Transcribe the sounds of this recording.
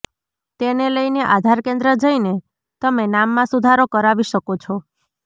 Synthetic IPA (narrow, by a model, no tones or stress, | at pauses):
t̪eneləjneʔad̪ʱaɾkẽnd̪ɾəd͡ʒəine | t̪əmenamːãsud̪ʱaɾokəɾaʋiʃəkot͡ʃʰɔ